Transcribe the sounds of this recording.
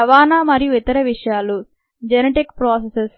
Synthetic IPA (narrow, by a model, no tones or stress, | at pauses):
ɐʋaːnaːmɐɾijuit̪ɐɾɐʋiʂɐjaːlu | d͡ʒeneʈikpɾoːseses